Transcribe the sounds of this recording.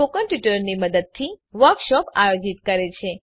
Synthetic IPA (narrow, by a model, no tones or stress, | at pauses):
okənʈjiʈəɾniməd̪əd̪̚t̪ʰiʋəɾkʃɔpajod͡ʒit̪kəɾet͡ʃʰe